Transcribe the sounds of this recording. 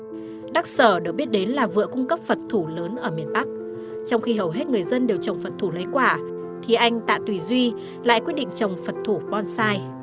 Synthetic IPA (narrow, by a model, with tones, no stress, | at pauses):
ɗa˦˥k̚səː˧˩ɗɨ˨˩ək̚ɓi˦˥ət̚ɗe˨˦nlaː˨˩vɨ̰˧˨əkʊ˧ŋ͡mkə˦˥p̚fə˨˩t̚t̪ʰu˧˩ləː˨˦nʔəː˧˩mi˨˩ənɓa˦˥k̚ | t͡ɕɔ˧wŋ͡mxi˧ɦə˨˩wɦe˦˥t̚ŋɨ˨˩əjzə˧nɗe˨˩wt͡ɕə˨˩wŋ͡mfə˨˩t̚t̪ʰu˧˩lə˨˦jkwaː˧˩ | t̪ʰi˨˩ʔa˧jŋ̟t̪a̰ː˧˨t̪wi˧˨˩zwi˧ | la̰ː˧˨jkwi˦˥t̚ɗḭ˧˨ŋ̟t͡ɕə˨˩wŋ͡mfə˨˩t̚t̪ʰu˧˩ɓɔ˧nsaː˧j